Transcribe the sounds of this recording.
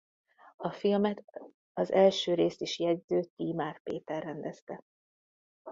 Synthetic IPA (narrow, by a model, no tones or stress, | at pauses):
ɒfilmɛt̪ | ɒzɛlʃøːɾeːst̪iʃjɛdzøːt̪iːmaːrpḛːt̪ɛrːɛnd̪ɛst̪ɛ